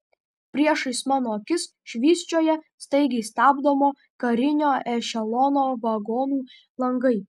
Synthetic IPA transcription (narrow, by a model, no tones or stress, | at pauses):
pʲɾʲiɛʃɐɪsmɑːnoːkʲɪs | ʃʲʋʲiːsʲt͡ʃʲoːjɛst̪ɐɪɡʲɛɪst̪ɑːbd̪omoː | kɐɾʲɪnʲoːʔɛʃʲɛlˠɔːnoːʋɐɡoːnuː | lˠɐŋɡɐɪ